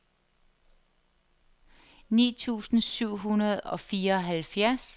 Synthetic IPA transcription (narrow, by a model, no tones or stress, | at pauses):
nḭːt͡sʰṵːsn̩syʊ̰ɦunɐð̞̩ˠɒ̽fiːɐɒ̽ɦælfjæɐs